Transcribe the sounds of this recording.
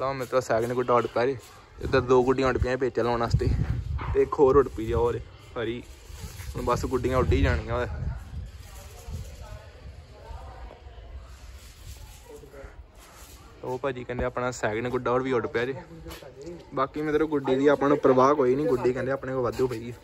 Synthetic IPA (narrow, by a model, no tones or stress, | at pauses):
lãːmɛ̃ːt̪ɾoːsɛːɡnẽːɡʊɖaːʊɖpjaːd͡ʒeː | t̪ḛd̪əɾd̪oːɡʊɖijãːʊɖpɪãːp̬eːt͡ʃaːlõːnaːst̪eːt̪eːkʰoːɾʊɽpiːd͡ʒaːoːɾeː | pʰəɾĩː | bəsɡʊɖiːãːʊɖiːd͡ʒaːɽ̃iːãːɛː | t̪oːpaːd͡ʒiːkɛ̃ːnd̪eːaːpɳãːsɛːɡneːɡʊɖaːoɽʋiːoɖpjaːd͡ʒeː | baːkiːmɛ̃ːt̪ɾoːɡʊɖːiːd̪iːapãːnũːpɾəʋaːkoːiːnĩːɡʊɖiːkɛ̃nd̪eːaːpnẽːoʋəd̪õːpəiiː